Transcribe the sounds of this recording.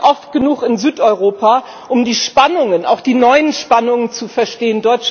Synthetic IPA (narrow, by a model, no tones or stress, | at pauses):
ʔɔft̚ɡ̥ənuːkɪnzyːtʔɔʏʁ̞oːpa | ʔʊmdiːʃpanʊŋəna̰ʊxd̥iːnɔʏənʃpanʊŋənt͡sufɛɐʃteːəndɔʏt͡ʃ